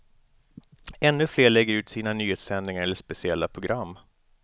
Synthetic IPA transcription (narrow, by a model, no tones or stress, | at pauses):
ɛnːɵfleːɭɛɡːəɾʉ̟ːt̪siːnanyːheːt̪sɛnd̪nɪŋaɾɛlːəʂpɛsɪɛlːapʰɾʊɡɾamː